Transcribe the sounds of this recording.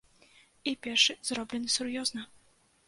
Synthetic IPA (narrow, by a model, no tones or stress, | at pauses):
ipʲɛrʂɨzɾɔblʲɛnɨsurjɔznɐ